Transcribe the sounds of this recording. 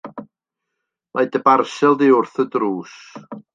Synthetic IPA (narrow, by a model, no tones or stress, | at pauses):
mʔajdəbarsɛlˠdiʊrθədruːs